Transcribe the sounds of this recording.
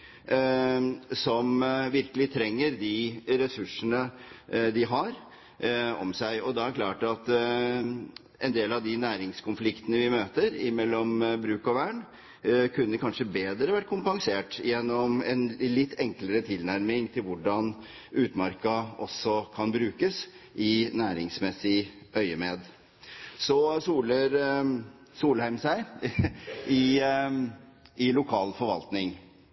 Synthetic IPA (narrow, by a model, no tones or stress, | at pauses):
sɔmʋɪɾkəlɪt̪ʰɾɛŋːəɾd̪ɪɾɛsʉʂənəd̪ɪɦɑɾ | ɔ̰msæɪɔd̪ɑæɾkʰlɑːʈɑt̪ | ɛnd̪eːlɑʋd̪ɪnæːɾɪŋskʊnflɪkt̪ənəʋɪmøːt̪əɾɪ̰mɛlːɔmbɾʉːkɔʋæːɳ | kʰʉnːəkʰɑnʂəbeːd̪ɾəʋæʈːkʰʊmpɑŋseːʈjɛnːɔmɛnlɪt̪ʰːɛŋkləɾət̪ʰɪlnæɾmɪŋt̪ʰɪlʋʊɖɑn | ʉːt̪mɑɾkɑɔsɔkʰɑnbɾʉːkəsʔɪnæːɾɪŋsmɛsːɪœʏəmeːd̪ | sɔsuːləɾ | suːlhæɪmsæɪ | ɪ | ɪlʊkʰɑːlfɔɾʋɑ̰lt̪nɪŋ